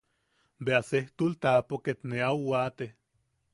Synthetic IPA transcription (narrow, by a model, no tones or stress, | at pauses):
beaseht̪ult̪apoket̪neawːaːt̪e